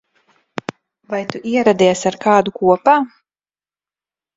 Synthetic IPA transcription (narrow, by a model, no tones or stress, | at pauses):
vajt̪uʔiɛɾad̪iɛsaɾkaːd̪ukuɔpaː